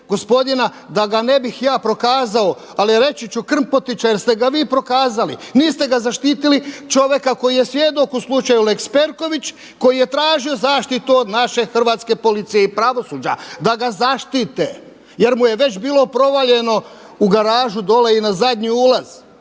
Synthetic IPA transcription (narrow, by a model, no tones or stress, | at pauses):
ɡo̞spo̞d̪ina | d̪aɡane̞bixjaːpɾo̞kaːzao̞ | aliɾe̞t͡ʃit͡ɕukr̩npo̞t̪it͡ʃajeɾst̪e̞ɡaʋiːpɾo̞kaːzalḭniːst̪e̞ɡazaʃt̪iːt̪ilit͡ʃo̞ʋje̞kako̞jijesʋjed̪o̞kuslˠut͡ʃajulekspe̞ɾko̞ʋit͡ɕ | ko̞jije̞t̪ɾaːʒio̞zaːʃt̪it̪uod̪naʃe̞xr̩ʋaːt̪skepolit̪sijeipɾaʋo̞suːd͡ʑad̪aɡazaʃt̪it̪e | je̞ɾmuje̞ʋe̞t͡ɕbiːlo̞pɾo̞ʋaʎe̞no̞ | uɡaɾaːʒud̪o̞leinazad̪ɲiuːlaz̥